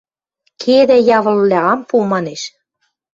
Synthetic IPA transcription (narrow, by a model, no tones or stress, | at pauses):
kʰed̪æjɑβɤ̆llʲæɑmpumɑneʃ